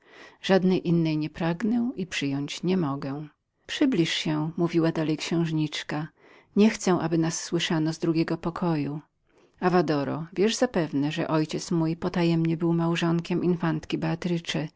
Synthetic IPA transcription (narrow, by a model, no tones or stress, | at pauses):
ʐ̥ad̪nɛjʔinːɛjɲɛpɾaɡnɛipʂɘjɔɲt͡ɕɲɛmɔɡɛ̃ | pʂɘblʲiʂɕɛmuvʲiwad̪alɛjkɕɛ̃w̃ʐɲit͡ʂka | ɲɛxt̪sɛ̃ʔabɘnasːwɘʂanɔzd̪ɾuɡʲɛɡɔpɔkʰɔju | avad̪ɔɾɔ̰vʲjɛʐzapɛvnɛʐɛ̰ʔɔjt͡ɕɛt̪smujpɔt̪ajɛmɲɛbɘwmawʐɔŋkʲɛmʔinfant̪kʲibɛat̪ɾɘt͡ʂɛ